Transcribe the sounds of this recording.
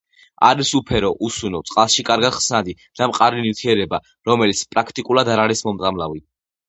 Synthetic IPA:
aɾisupʰɛɾɔʔusunɔt̪sʼqʼalˠʃikʼaɾɡad̪̥χsnad̪i | d̪̥amqʼaɾinift̪ʰiɛɾɛba | ɾɔmɛlit̪sʰpʼɾakʰt̪ʼikʼulˠad̪aɾaɾismɔmt̪sʼamlavi

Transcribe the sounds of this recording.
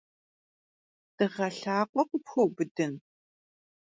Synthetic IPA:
d̥ɨʁɐɬaːqʷʼɔqʷʼʊpxobɨdɨn

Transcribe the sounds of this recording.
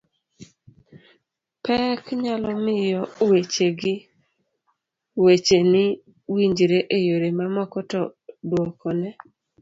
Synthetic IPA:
pɛkɲalɔmɪjɔwet͡ʃeɡɪ | wet͡ʃenɪ | wiɲd͡ʒɾeʔejoɾemamɔkɔtɔdwɔkʰɔnɛ

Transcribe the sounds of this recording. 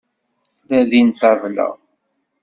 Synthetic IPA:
θlæðint̪ævlə̰ʁ

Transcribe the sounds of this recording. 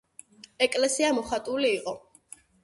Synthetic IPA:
ɛkʼlɛsiamɔχat̪ʼuliːqʼɔ

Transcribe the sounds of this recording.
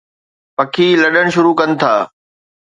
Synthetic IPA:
pɐkʰiːlɐɗəɽ̃ʃʊɾuːkɐnɪ̆t̪ʰaː

